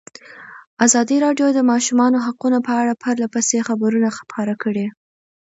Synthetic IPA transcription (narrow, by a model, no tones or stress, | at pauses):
azɑd̪iɾɑɖjod̪əmɑʃumɑnoɦaqunopəaɽapʰaɾlapasexabəɾunaxpʰɑɾakəɽe